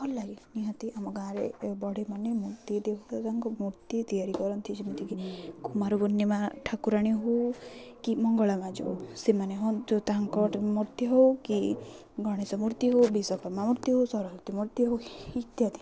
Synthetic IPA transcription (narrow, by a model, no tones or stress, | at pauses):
ɔlːaɾiniɦɔt̪iamɔɡãɾebɔɽ̤emanemuɾt̪id̪ekʰut̪ʰat̪aŋkɔmuɾt̪it̪ijaɾikɔɾɔnt̪ʰid͡ʒemit̪ʰikikʰumaɾuɡɔnːemaʈʰakuɾaɽ̃iɦowkimɔŋɡɔɭamãd͡ʒo̰wsemaneɦond͡ʒot̪aŋkɔʈmuɾt̪iɦowki | ɡɔɽ̃esɔmuɾt̪iɦowbisɔkɔɾmamuɾt̪iɦowsɔɾɔmuɾt̪imuɾt̪iɦowit̪jad̪i